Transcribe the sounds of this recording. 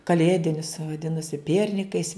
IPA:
kɐˈlʲeːdʲɪnʲʊs ʋɐˈdʲɪnɐsʲɪ ˈpʲiɛrʲnʲɪkɐɪs

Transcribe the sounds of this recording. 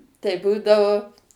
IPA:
tɐɪ ˈbuːdɐʋoː

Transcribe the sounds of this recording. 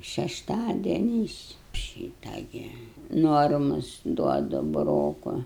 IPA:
ʃʲɛʃˈtɑːdʲiɛnʲɛɪs ˈʃʲiːtɐ ɡʲɪ ˈnoːrmʊs ˈduɔdʊ bʊˈroːkʊ

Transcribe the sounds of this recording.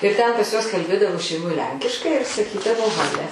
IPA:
ɪr tʲɛn pɐs juɔs kɐlʲˈbʲeːdɐʋoː ʃʲɛɪˈmoːj ˈlʲɛŋʲkʲɪʃkɐɪ ɪr sɐˈkʲiːdɐʋoː ˈɣɑːlʲɛ

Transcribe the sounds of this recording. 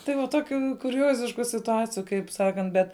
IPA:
ˈtɐɪ ʋɐ ˈtoːkʲʊ kʊˈrʲoːzʲɪʃkʊ sʲɪtʊˈɑːt͡sʲɪjʊ kɐɪp ˈsɑːkɐnt ˈbʲɛt

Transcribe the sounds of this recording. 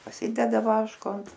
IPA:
pɐˈsʲɪdʲɛdɐ ˈʋɑːʃkoː ɐnt

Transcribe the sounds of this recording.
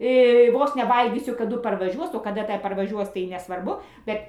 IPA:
ˈʋoːs nʲɛ ˈʋɐlʲɡʲiːsʲʊ kɐˈdʊ pɐrʋɐˈʒʲuɔs oː kɐˈdɐ ˈtɐ pɐrʋɐˈʒʲuɔs tɐɪ nʲɛsʋɐrˈbʊ ˈbʲɛt

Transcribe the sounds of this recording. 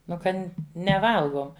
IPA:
ˈnʊ ˈkɐnʲ nʲɛˈʋɐlˠɡoːm

